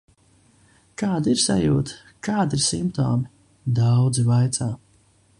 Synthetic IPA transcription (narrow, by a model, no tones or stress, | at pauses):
kaːd̪iɾsa̰juːt̪ | kaːd̪iɾsimpt̪ɔ̰ːmi | d̪awd̪zivajt̪saː